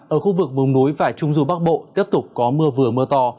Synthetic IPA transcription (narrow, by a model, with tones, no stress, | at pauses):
ʔəː˧˩xu˧vɨ˨˩k̚mɨ˨˩wŋ͡mnu˨˦jva̰ː˧˨jt͡ɕʊ˧ŋ͡mzu˧˩ɓa˦˥k̚ɓo̰˧˨t̪i˦˥əp̚t̪ʊ˨˩k͡p̚kɔ˨˦mɨ˧əvɨ˨˩əmɨ˧ət̪ɔ˧